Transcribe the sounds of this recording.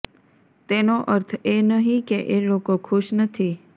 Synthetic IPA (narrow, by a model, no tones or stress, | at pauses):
t̪enoʔəɾt̪ʰenəɦĩkeʔelokokʰʊʃnət̪ʰi